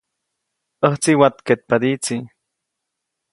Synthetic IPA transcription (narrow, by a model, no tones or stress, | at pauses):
əht͡siwat̪ket̪̚pad̪it͡si